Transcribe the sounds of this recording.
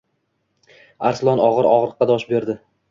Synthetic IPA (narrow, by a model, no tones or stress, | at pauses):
aɾslˠɒnɒʁɨɾɒʁɾɨqːɑd̪ɒʃbe̞ɾd̪ɪ